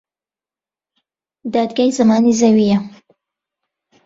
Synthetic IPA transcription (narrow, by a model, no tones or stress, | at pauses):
d̪ɑd̪̚ɡajzamɑnizawija